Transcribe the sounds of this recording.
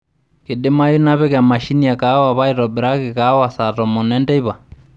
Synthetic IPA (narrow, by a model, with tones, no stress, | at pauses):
ke˨de˦ma˦ju˦na˦βɛ˦ka˨ma˨ʃi˦ni˦a˨ka˨˦wa˨βa˦i˨ɾɔ˨bɛ˨ɾa˦ke˨ka˨˦wa˨sa˨tɔ˨mɔ˨nɛ˦ndɛ˦i˦βa˨